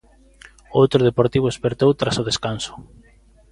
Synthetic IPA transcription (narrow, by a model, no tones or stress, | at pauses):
owt̪ɾʊðepoɾt̪iβ̞ʊespeɾt̪owt̪ɾasʊð̞eskansʊ̥